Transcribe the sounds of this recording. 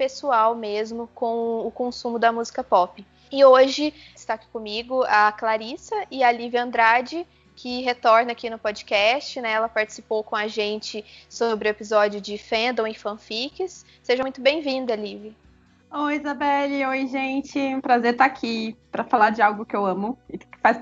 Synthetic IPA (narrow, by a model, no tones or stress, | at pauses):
pesuawmezmʊkõw̃ʊkõsũmʊd̪ɐmuzikɐpɔpɪ | ɪoʒɪ | st̪aki̥kõmiɡʊɐklaɾisɐʔɪɐlivɪɐ̃nd̪ɾad͡ʒɪ | kʰɪɦet̪ɔɾnɐakinʊpod͡ʒɪkɛst͡ʃɪnɛɛlɐpaɾt͡ʃɪ̥si̥powkõaʒẽnt͡ʃɪsobɾɪʊepizɔd͡ʒjʊd͡ʒɪfẽnd̪ɐ̃w̃ẽfɐ̃fikɪsː | eʒɐmũj̃t̪ʊbẽj̃vĩnd̪ɐlivɪ | oizabɛliojʒẽnt͡ʃɪũpɾazeɾt̪aːkʰipɾɐfalaɾd͡ʒɪawɡʊkɪewɐ̃mʊɪkkɪfajs